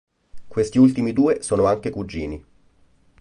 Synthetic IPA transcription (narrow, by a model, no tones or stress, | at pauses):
kwest̪iult̪imid̪uːesoːnoaŋkekud͡ʒːiːni